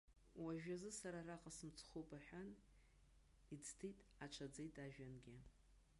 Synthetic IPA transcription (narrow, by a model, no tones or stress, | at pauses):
waʒᶣazɨsaɾaraqʼasɨmt͡sʰχopʼaħʷᶣan | id͡ztʰejtʼat͡ʃʷʰad͡zejtʼaʒᶣanɡʲɪ